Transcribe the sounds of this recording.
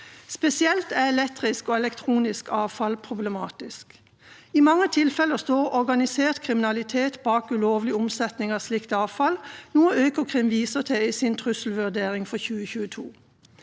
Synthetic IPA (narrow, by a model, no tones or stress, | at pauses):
spɛsɪɛlt̪æɛlɛt̪ʁɪskoːɛlɛkt̪ʰʁuːnɪskɑːʋfɑlpʰʁʊblɛmɑːt̪ɪsk | imɑŋːət̪ʰɪlfɛləʁst̪oːʁɔʁɡɑnɪseːʁt̪kʰʁɪmɪnɑlɪt̪ʰeːt̪bɑːkʉloːʋlɪʊmsɛt̪nɪŋɑslɪkt̪əɑːʋfɑlnuːəøːkəkʰʁɪmʋiːsəʁt̪ʰɛiːsɪnt̪ʰʁʉsl̩ʋʉʁd̪eːʁɪŋfɔçʉːəçʉːət̪ʰṵː